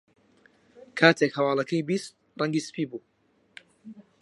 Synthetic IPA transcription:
kʰaːt̪ʰekhɐwaːlˠɐkʰɐjbist̪̚ | rʔɐŋɡiːsɨ̥piːbuː

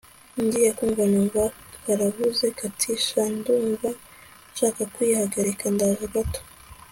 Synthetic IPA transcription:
ndijakuːɱvanuɱva | kaɾaβuzekatʰiʃanduːɱva | nʃaːkakwihaɡaɾekandazaɡato̥

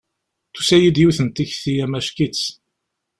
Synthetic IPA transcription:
θu̥sæjid̪juθənt̪içθijæmæʃkit͡s

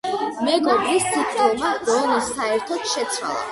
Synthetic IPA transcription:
mɛɡɔbɾist̪ʰip̪tkʼilˠmaɾɔnisaɛɾt̪ʰɔt̪ʃɛt̪sʰwa̰lˠa̰

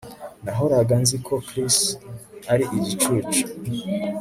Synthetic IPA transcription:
naɦoɾaɡanzikʰokɾisaɾiʔiɟit͡ʃut͡ʃi̥

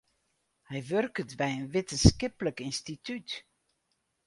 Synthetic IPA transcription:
hɛjʋørkətbɛjənʋɪtənskɪpləkinstityt

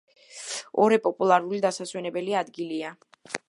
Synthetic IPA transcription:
ɔɾɛpʼɔpʼulˠaɾulid̪asaswɛnɛbɛliad̪ɡilia

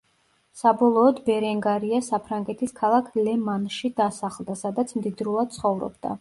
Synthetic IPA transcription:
sabɔlˠɔːd̪bɛɾɛŋɡaɾiasapʰɾaŋɡɛt̪ʰiskʰalˠakʰlɛmanʃid̪asaχlˠd̪asad̪at̪sʰmd̪id̪ɾulˠad̪̥̚t̪sʰχɔvɾɔ̰bd̪a̰

